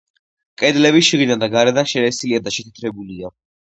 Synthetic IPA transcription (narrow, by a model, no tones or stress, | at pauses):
kʼɛd̪lɛβiʃiɣinad̪aɡaɾɛd̪anʃɛɾɛsiliad̪aʃɛt̪ʰit̪ʰɾɛbulia